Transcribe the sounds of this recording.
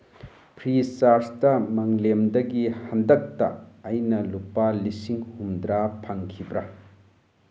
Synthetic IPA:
pʰɾisaɾstɐmɐŋlemdɐɡihɐndɐk̚tɐ̰ɐjnɐlupalisiŋhumd̪ɾapʰaŋkʰibɾɐ

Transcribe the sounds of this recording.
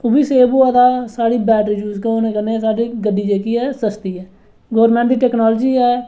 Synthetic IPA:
ʊbiːseːboːəd̪aːsaːɽiːbɛːʈɾɪd͡ʒjuːskɛonẽːkənesaːɖiːɡəɖiːd͡ʒeːkiːɛːsəst̪iːɛː | ɡoːɾmɛ̃ːɳd̪iːʈɛːknɔːld͡ʒiːɛː

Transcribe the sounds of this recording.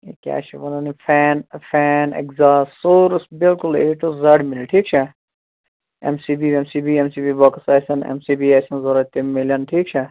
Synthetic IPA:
ḛkʲja̰ːt͡ʃʰɐʋɐnɐnifʰɛːnfɛːnḛkzaːsːoːɾsbɪlkʊleːʈuzɐɽmɪlʈʰiːk̚t͡ʃʰa | ḛmsiːbiːemsiːbiːemsiːbiːbɐkɐsaːsɐnḛmsiːbiːaːsɐnzoɾɐt̪imːelʲɐnʈʰiːk̚t͡ʃʰa

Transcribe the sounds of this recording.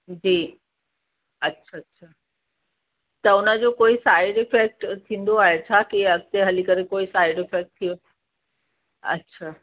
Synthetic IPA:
d͡ʑiː | ɐtːʃʰatːɕʰaː | t̪ɐʊnəd͡ʑoːkoːisaːɪɖɪfɛk̚ʈt̪ʰĩːn̆d̪oaːɦet͡ɕʰaːkiɐɡ̚t̪eɦɐlikɐɾekoːisaːɪɖɪfeːk̚ʈ̚t̪ʰijo | ɐ̰tːɕʰaː

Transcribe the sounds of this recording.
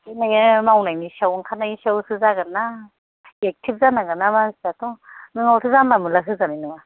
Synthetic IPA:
najŋɯmawnajnisawŋkʰanajisawsɯzaɡɯna | ek̚tʰip̚zanaɡɯnamanstatɔnɯŋawsʰɯzamamɯlaɦɯzaninɯwa

